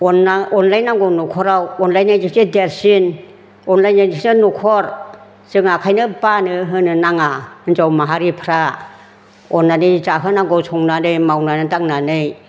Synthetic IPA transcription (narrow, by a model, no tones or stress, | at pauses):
ɔnːaɔnlajnaŋɡɔnukʰɔɾawɔnlajnajd͡ʒikideɾsin | ɔnlajnad͡ʒiknɯnukʰɔɾ | z̥ɯŋakʰajnɯbanɯɦɯnɯnaŋanzawmaɦaɾipʰɾa | ɔnːanɯd͡ʒaɦɯnaŋɡɔsʰɔŋnanɯjmawnanɯdaŋnanɯj